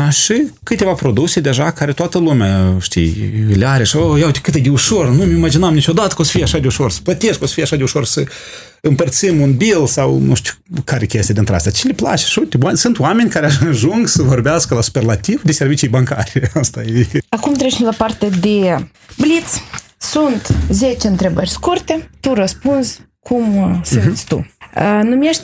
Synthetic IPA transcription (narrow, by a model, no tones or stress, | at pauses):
ʃikɨt̪ʲe̞vapɾo̞d̪usʲed̪e̞ʒakaɾet̪oat̪əlumʲaʃt̪ḭjlʲeaɾeʃawojawt̪ʲkɨt̪ed̪euʃornumimad͡ʒinamnit͡ʃod̪at̪ə̥kosə̥fijeaʃad̪ʲeuʃo̞rsə̥plət̪eskosə̥fijaʃad̪euʃo̞rsə | ɨmpərt̪simunbilsawnuʃt̪ʲu̥ | kaɾʲekʲest̪ejad̪eint̪ɾeast̪ʲat͡ʃelepla̰t͡ʃe̥ʃut̪easunt̪oame̞nʲkaɾeaʃɨnʒuŋɡsəvo̞rbeaskəlasu̥perlat̪ivd̪eservit͡ʃijbaŋka̰ɾʲeast̪ajeakumt̪ɾet͡ʃemlapart̪ed̪e | blit̪s | sunt̪zet͡ʃeɨnt̪ɾebərʲskurt̪et̪urəspunz | kʰumsɨnt̪sʲt̪ṵənumjeʃt̪ʲ